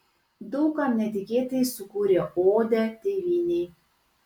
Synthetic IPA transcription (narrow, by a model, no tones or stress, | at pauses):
d̪ɔʊkɐmnʲɛt̪ʲɪkʲeːt̪ɐjsʊkuːɾʲeʔoːd̪ʲɛt̪ʲeʋʲiːnʲɛɪ